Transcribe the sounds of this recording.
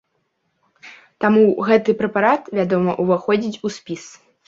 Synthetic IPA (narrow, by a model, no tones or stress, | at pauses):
t̪amuɣɛt̪ɨpɾɛpaɾat̪vʲad̪ɔmɐʔuvaxɔd͡zʲit͡sʲusʲpʲis